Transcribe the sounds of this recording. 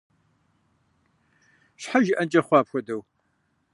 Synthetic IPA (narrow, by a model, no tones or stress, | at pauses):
ɕħaʒɪʔɐnt͡ʃʼɐχʷɑːpxʷɔdɐw